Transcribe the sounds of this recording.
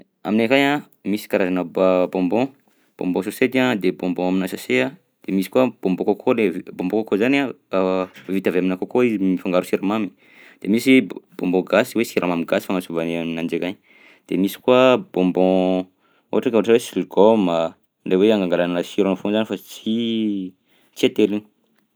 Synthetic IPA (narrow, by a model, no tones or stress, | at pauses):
a̰minekaja | misi̥kaɾazanəbabɔ̃mbɔ̃ | b̥õ̰mbɔ̃sosed̪iad̪ebɔ̃mbɔ̃aminasasea | d̪̥emisi̥kuab̥õmbokakʰolebõmbõkakozana | vit̪aveaminakakoizimifaŋɡaɾusiɾamami | d̪̥emisib̥ɔ̃mbɔ̃ɡasiwesiɾʔamamiɡasi̥famasuvaneminand͡ʒekaɲ | d̪̥emisi̥kuab̥õmbɔ̃ | o̰aʈ͡ʂakoɦaʈ͡ʂwesiliɡoma | ɖ͡ʐeweaŋɡaŋɡalanasiɾanafõnzanifat͡si | t͡siat̪elin̥